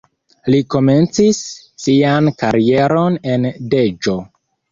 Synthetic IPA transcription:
liko̞me̞nt͡sisː | iankaɾie̞ɾo̞ne̞nde̞d͡ʒo̞

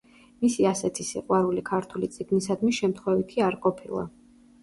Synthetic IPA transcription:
misiasɛt̪ʰisiqʼwaɾulikʰaɾt̪ʰulit̪sʼiɡnisad̪miʃɛmt̪ʰχwɛvit̪ʰiaɾqʼɔpʰilˠa̰

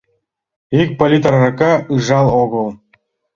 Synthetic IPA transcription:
ik̚ʲpolʲit̪ɑrrɑkɑɯʐɑlˠoɡɤ̆lˠ

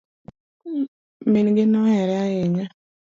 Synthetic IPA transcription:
menɡɪnɔhɛɾɛaeɲa

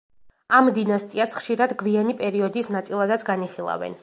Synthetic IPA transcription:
amd̪inast̪ʼiasχʃiɾad̪ɡvianipʼɛɾiɔd̪isnat̪sʼilˠad̪at̪sʰɡaniχilˠa̰vɛ̰n

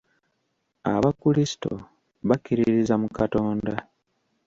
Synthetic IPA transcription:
a̰βakulisi̥to̞̰ | βakːiɾiiɾizamukato̞ːnda

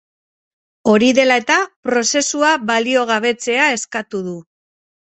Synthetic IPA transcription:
o̞ɾiðe̞lae̞t̪apɾo̞se̞suaβalio̞ɣ̞aβe̞t͡se̞ae̞skat̪uðu

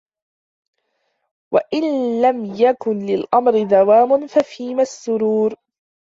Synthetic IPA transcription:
waʔɪnlamjakʊnlɪlʔamɾɪd̪awaːmʊnfafiːmasːʊɾuːɾ

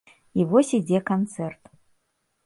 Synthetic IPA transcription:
ivɔsʲid͡zʲɛkant̪sɛrt̪

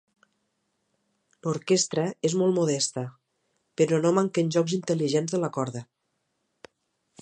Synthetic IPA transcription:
loɾkest̪ɾəezmɔlˠmoðɛst̪ə | peɾɔnomaŋkenʲʒɔkzint̪əliʒenzðələkɔɾðə

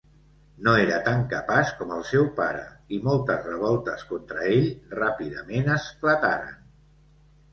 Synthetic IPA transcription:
noeɾət̪aŋkəpaskɔməlˠsɛwpaɾə̰imɔlˠt̪əzrəβ̞ɔlˠt̪əskont̪ɾəeʎrapiðəmenəsflət̪aɾə̰n

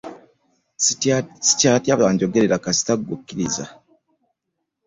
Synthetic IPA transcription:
si̥caːtjaβaːɲɟo̞ɡeɾeɾakasi̥taɡukːiɾiza̰

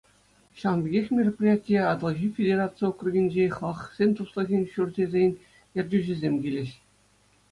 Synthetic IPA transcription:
ɕɑnbʲiɡʲexʲmʲerʲopʲrʲijatʲijɑɑd̪ɤ̆lˠʑifʲedʲeɾat͡sɨjokruɡʲinʲd͡ʑeχˠɑχsʲenʲt̪uslˠɤ̆ɣʲenʲɕurʲdʲezʲenʲ | jĕrʲdʲyʑĭzʲemʲɡʲilʲɘ̆ɕ

